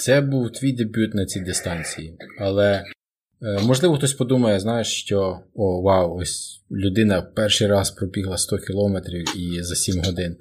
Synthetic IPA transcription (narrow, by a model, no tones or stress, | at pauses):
t̪sɛbuwt̪ʋʲijd̪ebʲjut̪nɐt͡sʲid̪ɪst̪ɑnʲt͡sʲijiɐlˠɛ | mɔʒlˠɪʋɔxt̪ɔsʲpɔd̪umɐjɛznɑjeʃʃt͡ʃɔɔwɑwɔsʲlʲʊd̪ɪnɐpɛrʃɪjɾɑspɾɔbʲiɦlˠɐst̪ɔkʲilˠɔmet̪ɾʲiwizɐsʲimɦɔd̪ɪn